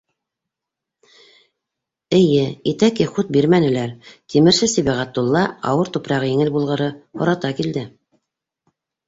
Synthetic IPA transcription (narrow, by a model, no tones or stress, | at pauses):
ɘ̆jɘit̪ækɘχut̪̚biɾmænɘ̆læɾt̪imɘ̆ɾsɘsiβæʁæt̪̚d̪ulˠːɑɑ̰wɤɾt̪upɾɑʁɤjɘ̆ŋɘlbulˠʁɤ̆ɾɤhŏɾɑt̪ɑkild̪ɘ